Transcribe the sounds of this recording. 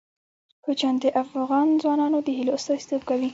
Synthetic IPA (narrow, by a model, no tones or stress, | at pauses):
kət͡ʃand̪eʔafɣɑnzwɑnɑnod̪əɦiloʊst̪ɑz̥t̪əb̚kawi